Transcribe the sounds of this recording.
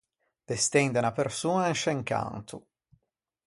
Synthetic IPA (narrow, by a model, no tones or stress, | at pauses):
d̪̥est̪ɛnd̪anapersuːnanʃeŋka̰nt̪u